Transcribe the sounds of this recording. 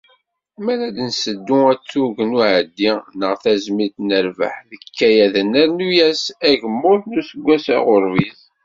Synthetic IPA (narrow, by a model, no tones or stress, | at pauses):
mæɾæd̪nsəd̪ːʊæt͡sːuʝnuʕəd̪ːinəʁθæzmit̪nəɾvə̰ħðəkːæjæðənːəɾnujæsæʝəmːʊθnusəɡʷːæsæ̰ʁʊɾviz